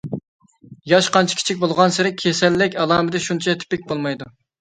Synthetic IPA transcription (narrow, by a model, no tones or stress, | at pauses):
jɑʃqɑnt͡ʃʰi̥kʲi̥t͡ʃʰik̚ʲbolˠʁɑnsɪɾɪkʲʰesɛlːɪkʲɑlˠɑːmɨd̪ɛʃunt͡ʃʰɛt̪ʰɪ̥pɪk̚ʲbolˠmɑjd̪u